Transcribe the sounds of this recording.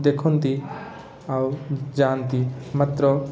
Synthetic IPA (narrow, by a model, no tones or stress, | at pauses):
d̪ekʰɔnt̪i | awd͡ʒant̪imat̪ɾɔ